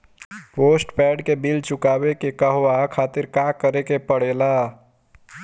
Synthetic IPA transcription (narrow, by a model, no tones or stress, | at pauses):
poːsʈpɛːɖkebilt͡ʃʊkaːbekekəɦoakʰaːt̪ɪɾkakəɾekepəɽeːla